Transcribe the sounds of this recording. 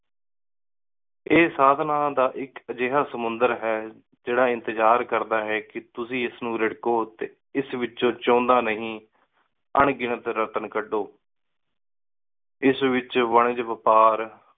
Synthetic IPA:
eːsaːd̪ʱnaːd̪aːʔɪkəd͡ʒeːɦaːsəmʊnd̪əɾɦɛː | d͡ʒeːɽaːɪ̃nt̪əd͡ʒaːɾkəɾd̪aːɦɛːkɪt̪ʊsĩːɪsnũːɾɪɽkoːt̪eː | ɪsʋɪt͡ʃoːt͡ʃɔ̃ːnd̪aːnəɦĩː | əɳɡɪɳət̪ɾət̪ənkəɖoː | ɪsʋɪt͡ʃʋəɳəd͡ʒʋəpaːɾ

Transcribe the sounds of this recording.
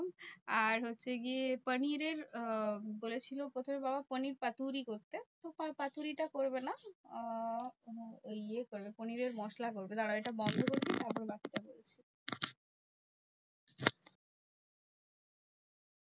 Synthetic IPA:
aɾɦotːɕʰeɡiepəniɾeɾ | bolet͡ɕʰilopɾot̪ʰomebabapəniɾpat̪uɾikoɾt̪et̪opapat̪uɾiʈakoɾbena | oliekoɾbepəniɾeɾmɔʃlak̬oɾbet̪aɽaeʈabɔnd̪ʱokoɾbit̪aɾpɔɾbakiʈabolet͡ɕʰe

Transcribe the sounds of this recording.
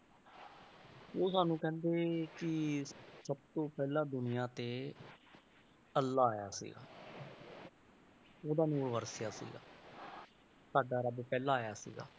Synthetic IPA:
oːsaːnũːkɛ̃ːnd̪eːkɪsəb̚t̪õːpɛːlãːd̪ʊnɪjaːt̪eː | əlːaːaːjaːsḭːɡa̰ː | oːd̪aːnuːɾʋəɾsɪjaːsḭːɡa̰ː | saːɖaːɾəbpɛːlãːaːjaːsḭːɡa̰ː

